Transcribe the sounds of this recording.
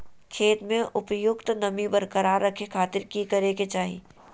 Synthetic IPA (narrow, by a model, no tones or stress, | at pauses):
kʰeːt̪mẽʔʊpjʊkt̪nɐmibɐɾkəɾaːɾːɐkʰekʰaːt̪ɪɾkikɐɾeket͡ʃaːɦḭ